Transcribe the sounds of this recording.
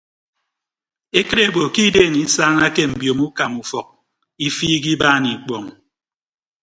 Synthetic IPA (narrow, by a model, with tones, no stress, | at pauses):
e˦ke˦ɾe˦˨bo˨ki˦deː˦˨ŋi˦saː˦ŋa˦ke˦m̩˨bjo˨mu˦ka˨mu˨fɔ˨k̚ | i˦fiː˦ɡi˦baː˦ni˨k͡pɔ˨ŋ